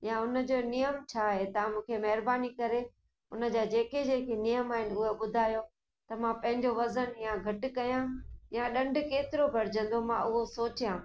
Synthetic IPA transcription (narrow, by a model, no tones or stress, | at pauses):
jãʊnə̆d͡ʑoːnijəmt͡ɕʰaːɦet̪ɐãmũːkʰemɐɦɪɾbaːnikɐɾe | ʊnə̆d͡ʑaːd͡ʑeːked͡ʑeːkʰenijəmaːɦɪnʊɦoɓʊd̪ʱaːjo | t̪ɐmãpɐ̃ɦɪ̃ɲd͡ʑoʋɐzənjãɡʱɐʈʊkɐjãjãɗɐ̃ɳɖʊ̆keːt̪ɪɾobʱɐɾɪd͡ʑə̃n̆d̪omãʔʊɦosoːt͡ɕijãː